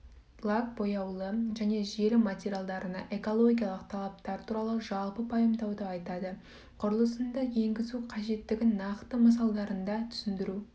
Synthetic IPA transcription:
b̥lˠak̚bo̞jɑwlˠəʒæne̞ʒe̞lɪmat̪ʲeɾʲijalˠd̪ɑɾənɑ̰ʔe̞ko̞lˠo̞ɡʲijalˠəqt̪ʰɑlˠɑp̚t̪ɑɾt̪ʰuɾɑlˠəʒɑlˠpəpʰɑjəmd̪ɑwd̪əɑjt̪ɑd̪ə | qʰʊɾəlˠəsənd̪ɑje̞ŋɡʲɪzuqʰɑʒe̞t̪ːɪɡʲɪnɑqt̪əməs̬ɑlˠd̪ɑɾənd̪ɑt̪ʰʏ̥sɪnd̪ɪɾu

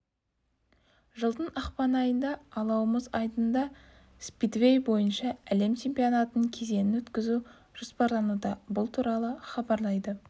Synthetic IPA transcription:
ʒəlˠd̪ənɑqpɑnɑjənd̪ɑːlˠɑwəməzɑjd̪ənd̪ɑ | spid̪vʲe̞jbo̞jənʃɑæle̞mt͡ʃʰe̞mpijonɑt̪ənəŋkʲʰe̞ze̞nɪnwɵt̪kʲɪzu | ʒ̥ʊspɑɾlˠɑnud̪ɑbʊlˠt̪ʰuɾɑlˠəχɑbɑɾlˠɑjd̪ə

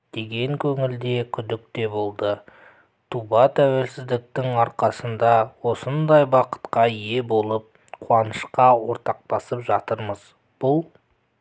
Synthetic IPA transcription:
d̪̥e̞ɡʲe̞ŋkʲʰɵŋɪld̪e̞kʲʰʏd̪ɪk̚t̪e̞bo̞lˠd̪ə | t̪ʰubɑt̪ʰæwe̞lsɪzd̪ɪk̚t̪ɪŋɑɾqɑsənd̪ɑwo̞sənd̪ɑjbɑqə̥t̪qɑje̞bo̞lˠəp̚ | qʰʊɑnəʃqɑwo̞ɾt̪ɑq̚pɑsəpʒɑt̪əɾməz̥ | b̥ʊlˠ

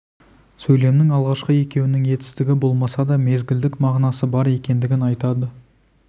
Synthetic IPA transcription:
sɵjle̞mnɪŋɑlˠʁɑʃqəe̞kʲe̞wɪnɪŋje̞t̪ɪ̥st̪ɪɡʲɪbo̞lˠmɑsɑd̪ɑme̞zɡʲɪld̪ɪkmɑʁnɑsəbɑɾe̞kʲe̞nd̪ɪɡʲɪnɑjt̪ɑd̪ə

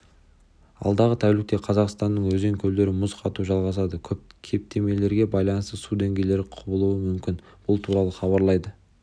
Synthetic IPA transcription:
ɑ̰lˠd̪ɑʁət̪ʰæwlɪk̚t̪e̞qʰɑzɑqst̪ɑnːəɴwɵzeŋkʲʰɵld̪e̞ɾɪmʊzqʰɑt̪uʒɑlˠʁɑs̬ɑd̪əkʲʰɵp̚kʲʰe̞p̚t̪ʰe̞me̞jle̞ɾɡʲe̞bɑjlˠɑnəst̪əsud̪e̞ŋɡʲe̞jle̞ɾɪqʰʊbəlˠuəmʏmkʲɪn | b̥ʊlˠt̪ʰuɾɑlˠəχɑβɑɾlˠɑjd̪ə

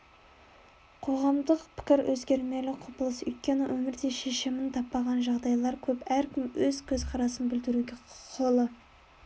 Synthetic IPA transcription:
qʰo̞ʁɑmd̪əqpʰɪ̥kʲɪɾwʔɵzɡʲe̞ɾme̞lɪqʰopəlˠəsʏ̰jt̪̚kʲe̞nɪwʔɵmɪɾd̪e̞ʃe̞ʃɪmɪnt̪ʰɑpːɑʁɑnʒɑʁd̪ɑjlˠɑɾkʲʰɵpæɾkʲʰɪmwɵzkʲʰɵzqʰɑɾɑsənbʏld̪ɪɾuɡʲeqʰo̞lˠə

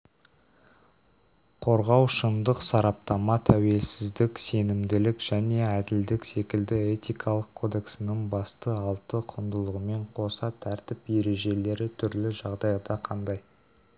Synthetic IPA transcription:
qʰo̞ɾʁɑwʃənd̪əqsɑɾɑp̚t̪ɑmɑt̪ʰæwe̞lsɪzd̪ɪkse̞nɪmd̪ɪlɪkʒ̥æne̞æd̪ɪld̪ɪkse̞kʲɪld̪ɪe̞t̪ijkʰɑlˠəqkʰo̞d̪e̞ksɪnɪŋbɑst̪əɑlˠt̪əqʰʊnd̪əlˠəʁəme̞ɴqʰo̞sɑt̪ʰæɾt̪ɪpje̞ɾe̞ʒe̞le̞ɾɪt̪ʰʏɾlɪʒɑʁd̪ɑjd̪ɑqʰɑnd̪ɑj

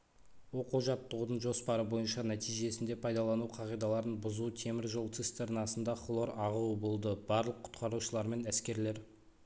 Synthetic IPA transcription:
wo̞quʒɑt̪ːəʁud̪əɴʒo̞spɑɾəbo̞jənʃɑnæt̪ijʒe̞sɪnd̪e̞pʰɑjd̪ɑlˠɑnuqʰɑʁijd̪ɑlˠɑɾənbʊzut̪ʰe̞mɪɾʒolˠt̪sist̪eɾnɑsənd̪ɑχlˠo̞ɾɑʁuəbolˠd̪əb̥ɑɾlˠəqʰːʊ̥t̪qʰɑɾuʃəlˠɑɾme̞næskʲe̞ɾle̞ɾ

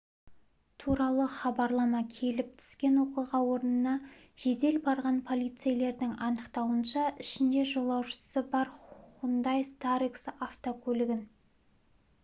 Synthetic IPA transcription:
t̪ʰuɾɑlˠəχɑbɑɾlˠɑmɑkʲʰe̞lɪp̚t̪ʰʏ̥skʲe̞nwo̞qijʁɑwo̞ɾənənɑ | ʒ̥e̞d̪e̞lbɑɾʁɑnpʰo̞lˠijt̪sɨjle̞ɾd̪ɪŋɑnəqt̪ɑwənʃɑɪʃɪnd̪e̞ʒo̞lˠɑwʃə̥səbɑɾχʊnd̪ɑjst̪aɾiksaft̪okʲʰɵlɪɡʲɪn

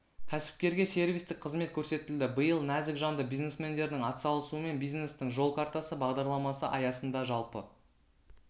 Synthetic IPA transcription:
kʲʰæsɪ̥p̚kʲe̞ɾɡʲe̞se̞ɾvʲijst̪ɪk̚qʰəzme̞t̪̚kʲʰɵɾse̞t̪ɪld̪ɪbəjəlˠnæzɪkʒɑnd̪əbijzne̞sme̞nd̪e̞ɾd̪ɪŋɑt̪sɑlˠəsuəme̞nbijzne̞st̪ɪŋʒo̞lˠkʰaɾt̪ɑsəbɑʁd̪ɑɾlˠɑmɑsə̰ʔɑjɑsənd̪ɑʒɑlˠpə

